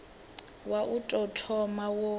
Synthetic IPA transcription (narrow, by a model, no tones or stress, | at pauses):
waʔutʼɔtʰɔmawɔ